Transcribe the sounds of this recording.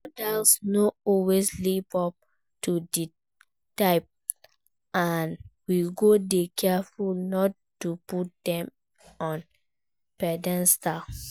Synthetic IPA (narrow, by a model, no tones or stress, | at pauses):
modalsnoɔweslipɔp̚ | tudi | taɪp̚ | anwiɡodekʰɛfulnɔt | tːuput̚dɛ̃m | ɔ̃n | pɛdɛ̃nsta